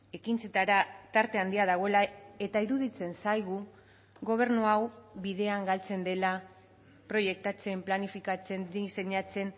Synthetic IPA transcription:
e̞kint͡se̞t̪aɾat̪aɾt̪e̞and̪iaðaɣ̞o̞e̞lae̞t̪aiɾuðit͡se̞nsajɣ̞u | ɣo̞β̞e̞ɾnuawβiðe̞aŋɡalt͡se̞nd̪e̞la | pɾo̞je̞k̚t̪at͡se̞mplanifikat͡se̞ndise̞ɲat͡se̞n

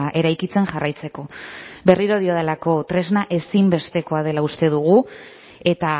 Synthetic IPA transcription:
ʔe̞ɾajkit͡se̞nʝarajt͡se̞ko̞be̞riɾo̞ð̞io̞ðelako̞t̪ɾe̞znaʔe̞simbe̞st̪e̞ko̞að̞e̞laust̪e̞ð̞uɣu | e̞t̪a

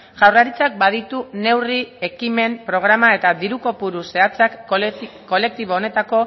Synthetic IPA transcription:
ʝawrlaɾit͡sak̚bað̞it̪une̞wrie̞kime̞mpɾo̞ɣɾamae̞t̪aðiɾuko̞puɾuse̞at͡sakː | o̞le̞k̚t̪iβo̞ːne̞t̪ako̞

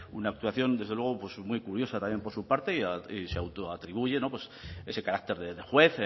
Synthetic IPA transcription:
unaːk̚t̪uaθjo̞nd̪ezðelwe̞ɣ̞opwe̞smujkuɾjo̞sat̪amjempo̞ɾsupaɾt̪eiaiseawt̪oat̪ɾiβ̞uʝe̞no̞pwe̞se̞se̞kaɾak̚t̪e̞ɾðeðexwe̞θ

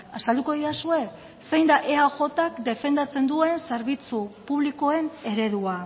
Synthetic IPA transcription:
asald̪uko̞ðiasue̞k | se̞jnd̪aʔe̞aʝo̞t̪akd̪e̞fe̞nd̪at͡se̞nd̪ue̞nse̞ɾβit͡supuβ̞liko̞e̞ne̞ɾe̞ðua

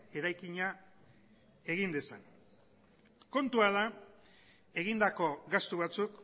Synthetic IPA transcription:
e̞ɾajkiɲa | e̞ɣind̪esan | ko̞nt̪uaða | e̞ɣind̪ako̞ɣast̪uβ̞at͡suk

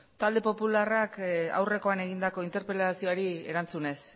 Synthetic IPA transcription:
t̪ald̪e̞po̞pularaka̰wre̞ko̞ane̞ɣ̞ind̪ako̞int̪e̞ɾpelasio̞aɾiḛɾant͡sune̞s

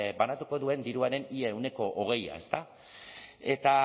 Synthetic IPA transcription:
banat̪uko̞ðue̞nd̪iɾuaɾe̞nieːwne̞ko̞ʔoɣ̞e̞ja̰e̞̰st̪a | e̞t̪a

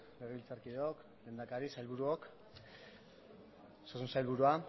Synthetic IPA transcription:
leɣeβilt͡saɾkiðeok | lend̪akaɾisajlβuɾuok | sosunsajlβuɾua

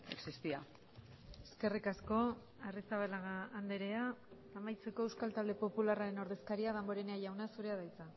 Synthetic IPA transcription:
e̞̰ksist̪ia̰ | eske̞rikasko̞ | arisaβalaɣaːnd̪e̞ɾe̞aː | majt͡se̞ko̞ewskalt̪ald̪e̞po̞pularaɾe̞no̞ɾðe̞skaɾiaðambo̞ɾe̞neaʝawnasuɾe̞aðajt͡sa

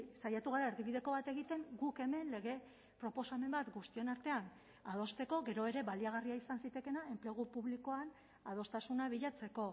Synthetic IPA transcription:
sajat̪uɣ̞aɾaeɾɣiβiðe̞ko̞βat̪e̞ɣ̞it̪e̞ŋɡuke̞me̞nle̞ɣ̞e̞ | pɾo̞po̞same̞mbat̪ɡust̪ie̞naɾt̪e̞an | að̞o̞st̪e̞ko̞ɣe̞ɾo̞e̞ɾe̞βaliaɣ̞ariaisansit̪e̞ke̞nae̞mple̞ɣ̞upuβliko̞an | að̞o̞st̪asunaβ̞iʎat͡se̞ko̞

